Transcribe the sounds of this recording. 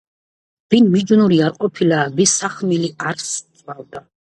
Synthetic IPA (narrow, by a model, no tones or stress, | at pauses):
b̥inmid͡ʒnuɾiaɾqʼɔpʰilabisaχmiliaɾssʼvavd̪a